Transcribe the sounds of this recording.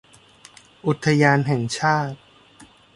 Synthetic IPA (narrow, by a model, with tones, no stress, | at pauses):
ʔu˨˩t̪ʰːa˧jaː˧nɦɛ˨˩ŋt͡ɕʰaː˥˩t̪̚